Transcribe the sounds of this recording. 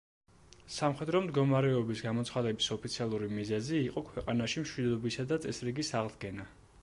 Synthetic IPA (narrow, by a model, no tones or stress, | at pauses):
samχɛd̪ɾɔmd̪ɡɔmaɾɛɔbisɡamɔt̪sʰχad̪ɛbisɔpʰit̪sʰialˠuɾimizɛziːqʼɔkʰwɛqʼanaʃimʃwid̪ɔbisad̪at̪sʼɛsɾiɡisaʁd̪ɡɛna